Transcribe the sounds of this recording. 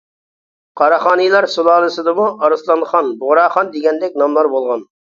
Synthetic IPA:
qʰɑɾɑχɑːnɨjlˠɑɾsulˠɑːlˠɨsɨd̪ɨmuʔɑɾɨslˠɑnχɑnbʊʁɾɑːχɑnd̪eɡʲɛnd̪ɛkʲnɑmlˠɑɾbolˠʁɑn

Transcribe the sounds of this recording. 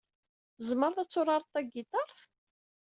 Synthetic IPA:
zməɾˤθæt͡sːʊɾɑɾˤt̪ːæɡit̪ɑɾˤθ

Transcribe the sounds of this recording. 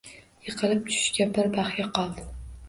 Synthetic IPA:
jɨqʰɨlɪp̚t͡ʃ̪ʰʊ̥ʃkʲabɪɾbaχjaqʰɒlˠd̪ɪ

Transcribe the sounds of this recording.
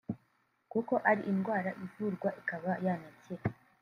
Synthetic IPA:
kuko̞ʔaɾḭʔinɡwaːɾaʔivuɾɡwaʔikaβajanace

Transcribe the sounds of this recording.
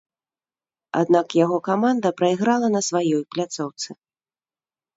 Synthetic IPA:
a̰d̪nakjaɣɔkamand̪ɐpɾɐiɣɾalˠɐnɐsvajɔjplʲat̪sɔwt̪sɨ

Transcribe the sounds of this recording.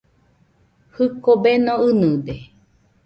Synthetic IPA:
hɨkobenõɨnɨ̃d̪e

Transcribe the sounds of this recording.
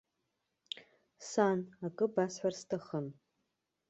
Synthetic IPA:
sanakʼɨbasħʷarstʰaχəm

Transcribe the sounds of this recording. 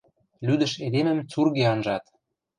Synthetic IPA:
lyd̪ə̆ʃed̪emə̆mt͡surɣeɑnʒɑt̪

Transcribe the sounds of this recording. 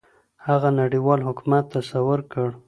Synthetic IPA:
haɣanaɽiwɑlɦʊkumat̪ːasawʊɾkəɽ

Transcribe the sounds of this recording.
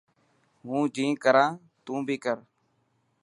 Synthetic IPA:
ɦũːd͡ʒĩːkəɾãː | t̪ũːbʱiːkəɾ

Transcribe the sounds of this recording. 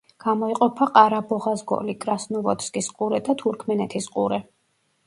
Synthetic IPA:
ɡ̥amɔiqʼɔpʰaqʼaɾabɔʁazɡɔ̰likʼɾasnuvɔt̪ʰskʼisqʼuɾɛd̪at̪ʰuɾkʰmɛnɛt̪ʰisqʼuɾɛ

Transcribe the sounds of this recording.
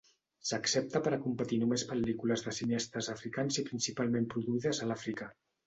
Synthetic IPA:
səksep̚t̪əpəɾəkumpət̪inumespəlikuləzðəsineɛst̪əzəfɾikanzipɾinsipalˠmempɾuðuiðəzəlafɾika

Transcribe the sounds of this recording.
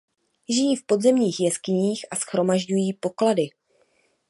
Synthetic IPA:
ʒɪjiːfpo̞dzɛmɲiːxjɛskɪɲiːxʔasxɾo̞maʒɟujiːpo̞kladɪ

